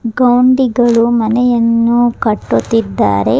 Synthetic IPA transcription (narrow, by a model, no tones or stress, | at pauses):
ɡɐwɳɖiɡɐɭumɐnɛjɐnːukɐʈːut̪ːid̪ːa̰ːɾe̞̰